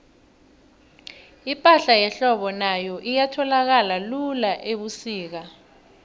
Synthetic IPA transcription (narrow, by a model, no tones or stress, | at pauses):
ipʼaɬajɛɬɔɓɔnajɔʔijatʰɔlak̬alalulaʔeɓusiːk̬a